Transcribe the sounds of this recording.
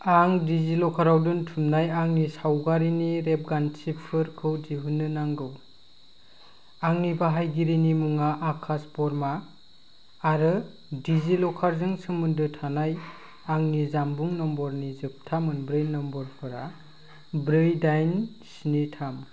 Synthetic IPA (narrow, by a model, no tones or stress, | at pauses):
aŋdizilɔkʰaɾawdɯntʰumnajaŋnisawɡaɾiniɾep̚ɡansipʰɯɾkʰɯwdiɦunːɯnaŋɡɯw | aŋnibaɦajɡiɾinimuŋaʔakʰaspɔɾmaː | ɾɯ | dizilɔkʰaɾzɯŋsɯmɯndɯtʰanaj | aŋnizambuŋnɔmbɔɾnizɯp̚tʰamɯnbɾɯjnɔmbɔɾpʰɯɾa̰ | bɾɯjdajn | sinitʰam